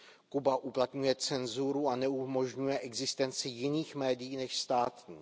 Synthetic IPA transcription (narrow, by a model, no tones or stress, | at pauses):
kubaʔuplat̪ɲujɛt͡sɛnzuɾuanɛumo̞ʒɲujɛʔɛɡzɪst̪ɛnt͡sɪjɪniːxmɛːdɪjiːnɛʃst̪aːt̪ɲiː